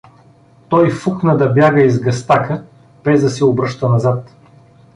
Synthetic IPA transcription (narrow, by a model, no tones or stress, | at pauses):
t̪ɔjfuknəd̪ɐbjaɡəizɡɐst̪akə | b̥ɛzd̪ɐsɛobɾɤʃt̪ənɐzat̪